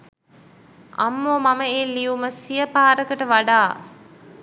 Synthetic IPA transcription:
ʔɐ̰mːoːmɐməelːiuməsijəpaːɾəkəʈəʋɐɖaː

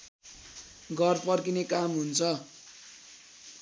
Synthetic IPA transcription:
ɡʌrpʌrkinekamɦunt͡sʰʌ

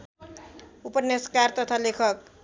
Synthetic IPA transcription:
upʌnːeskart̪ʌt̪ʰalekʰʌk̚

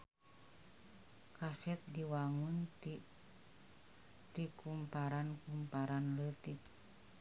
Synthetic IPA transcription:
kasɛt̪̚diwaŋun | t̪ikumpaɾankumpaɾanlət̪ik̚

